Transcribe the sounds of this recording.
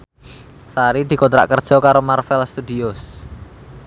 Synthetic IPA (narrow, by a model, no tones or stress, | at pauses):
saɾid̪̥i̤kont̪ɾa̰ʔkərd̥ʒ̥ɔ̤kaɾomarfɛlst̪ud̪ios